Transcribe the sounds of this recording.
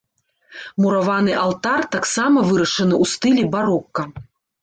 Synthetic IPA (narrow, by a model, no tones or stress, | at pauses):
muɾavanɨʔalˠt̪art̪aksamɐvɨɾɐʂɐnɨʔust̪ɨlʲibaɾɔkːɐ